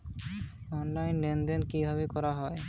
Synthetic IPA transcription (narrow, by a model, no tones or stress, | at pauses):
ɔnlajnlend̪enkibʱabekɔɾaɦɔe